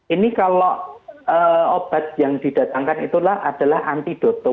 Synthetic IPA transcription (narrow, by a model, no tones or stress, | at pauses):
inikaloəob̥a̤t̪̚jaŋd̪̥i̤d̥ä̤t̪aŋkanit̪ulahʔad̥a̤lahant̪id̥o̤t̪ɔ